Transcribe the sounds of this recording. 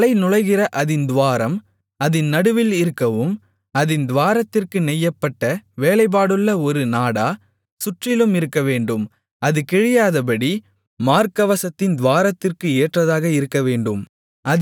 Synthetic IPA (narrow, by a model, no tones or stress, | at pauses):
lɐɪnʊɻɐɪɣɪrɐʔɐðɪnd̪ʊʋaːɾɐm | ɐðɪnnɐɽɯʋɪlɪɾɯkːɐʋɯm | ɐðɪnd̪ʋaːɾɐt̪ːɪrkɯnɛjːɐpːɐʈːɐʋeːlɐɪp̬aːɽɯɭːɐɔɾɯnaːɽaː | sʊʈrɪlɯmɪɾɯkːɐʋeːɳɖɯm | ɐðɯkɛɻɪjaːðɐpɐɽi | maːɾkɐʋɐsɐt̪ːɪnd̪ʋaːɾɐt̪ːɪrkɯeːʈrɐðaːɣɐɪɾɯkːɐʋeːɳɖɯm | ʔɐ